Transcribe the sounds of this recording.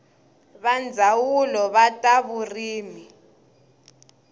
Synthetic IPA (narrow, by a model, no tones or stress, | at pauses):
βand͡zʱawulɔβatʼaβuriːmi